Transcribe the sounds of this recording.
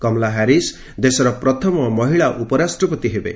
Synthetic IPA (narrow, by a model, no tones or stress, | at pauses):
kɔmlaɦaɾis | d̪esɔɾɔpɾɔt̪ʰɔmɔmɔɦiɭaʔupɔɾasʈɾɔpɔt̪iɦebḛ